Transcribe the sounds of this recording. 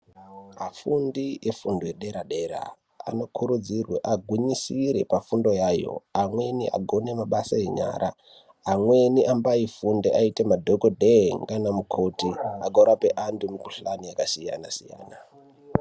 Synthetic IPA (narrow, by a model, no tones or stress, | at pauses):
ɦafundiʔefundojeɗe̞ɾaɗe̞ɾa̰ | a̰no̞kʰuɾud͡zirweʔaɡʱwiɲisiɾe̞pafundo̞jaːjo̞̰amwe̞niʔa̰ɡʱo̞ne̞maɓasaeɲa̰ːɾa̰ː | mwe̞niʔambaifundeʔaitemadʱokodʱeŋɡanamukʰo̞tiaɡʱoɾape̞ʔandumikuɬanijakasija̰nasija̰ːna